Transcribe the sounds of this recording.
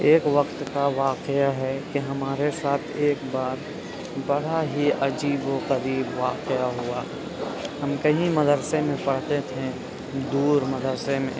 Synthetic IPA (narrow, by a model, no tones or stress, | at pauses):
eːkʋəqt̪kaʋaːqjaɦɛkiɦɐmaːɾesaːt̪ʰeːkbaːɾ | bəɽ̤aɦiɐd͡ʒiːboqəɾiːbʋaːqjaɦʊa | ɦɐmkɐɦĩmɐd̪əɾsemẽpɐɽ̤t̪et̪ʰẽ | d̪uːɾməd̪əɾsemḛ̃